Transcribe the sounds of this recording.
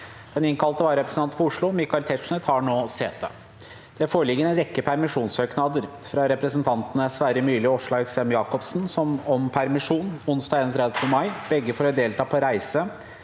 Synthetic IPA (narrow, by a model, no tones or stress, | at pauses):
d̪̥ɛnɪŋkɑlt̪əʋɑːɾɛpɾəsn̩ʰɑn̩fɔɾʊʂɭuːmɪkɑɪlt̪ʰɛʂɳət̪hɑɳoːsɛt̪̚d̪ə̰ | d̪̥ɛfoːɾɭɪɡːəɾɛnɾɛkːəpʰæɾmɪʂuːnsøːknɑd̪əɾ | fɾɑɾɛpɾəsənt̪ʰɑnt̪ənəsʋæːɾəmyːlɪɔʂɭɑɛksɛmjɑːkɔpsnsɔmɔmpʰæɾmɪʂuːnʊnsd̪ɑːɡeːnɔt̪ʰɾɛd̪əmɑɪb̥ɛɡːəfɔɾɔd̪eːlt̪ʰɑːpʰɔɾæɪsə